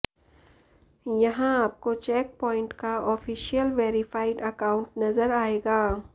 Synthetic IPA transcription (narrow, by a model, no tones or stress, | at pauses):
jɐɦãaːp̚kot͡ʃɛːk̚pɔːɪ̃ɳʈkaɔːfiːʃijəlʋeːɾɪfaːɪɖɐkaːʊ̃ɳʈnɐzəɾaːeːɡaː